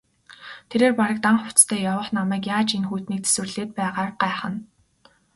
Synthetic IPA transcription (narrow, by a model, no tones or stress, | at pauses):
t̪ʰeɾeːrpaɾə̆k̚t̪aɴχʊt͡st̪ʰæːjawə̆χnamæːkjaːt͡ɕinxuːt̪niːk̚t͡sʰe̥swɘ̆rɮeːt̪̚pæːʁaːrɢæːχə̆n